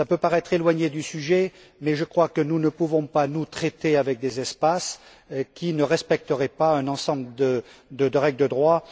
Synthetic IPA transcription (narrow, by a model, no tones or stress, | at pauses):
sapøpaʁɛt̪χelwaɲed̪ysyʒɛ | mɛʒəkχwakənunəpuvɔ̃panut̪χet̪eavɛk̚d̪ezɛspas | kʲinəʁɛspɛk̚t̪əʁɛpaɛ̃nɑ̃sɑ̃bləd̪əd̪əd̪əʁɛɡld̪əd̪ʁwa